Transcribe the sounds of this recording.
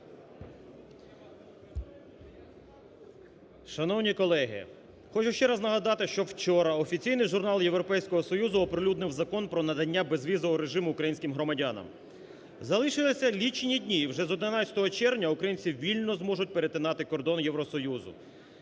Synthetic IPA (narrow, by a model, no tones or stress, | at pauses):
ʃɐnɔwnʲikɔlˠɛɦɪ̰ | xɔt͡ʃʊʃt͡ʃɛɾɐznɐɦɐd̪ɑt̪ɪʃt͡ʃɔwt͡ʃɔɾɐɔfʲit͡sʲijnɪjʒʊrnɑlˠje̞ʋɾɔpɛjsʲkɔɦɔsɔjuzʊɔpɾɪlʲud̪nɪwzɐkɔnpɾɔnɐd̪ɐnʲːabezʋʲizɔʋɔɾe̞ʒɪmʊːkɾɐjinʲsʲkɪmɦɾɔmɐdʲanɐ̰m | zɐlˠɪʃɪlˠɪsʲɐlʲit͡ʃnʲidʲnʲiːwʒɛzɔd̪nɪnɑt͡sʲɐ̥t̪ɔɦɔt͡ʃɛrwnʲɐukɾɐjinʲt͡sʲiʋʲilʲnɔzmɔʒʊt̚ʲpeɾet̪ɪnɑt̪ɪkɔrd̪ɔnjewɾɔsɔjuzʊ̰